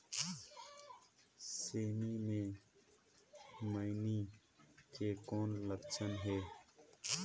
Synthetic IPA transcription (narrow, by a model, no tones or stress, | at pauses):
seːmimẽ | maini | keːkoːnləkt͡ʃʰənɦeː